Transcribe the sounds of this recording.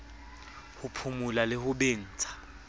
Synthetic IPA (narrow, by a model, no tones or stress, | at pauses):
hupʰumulalɪhʊɓeːn̩ːt͡sʰʼḁ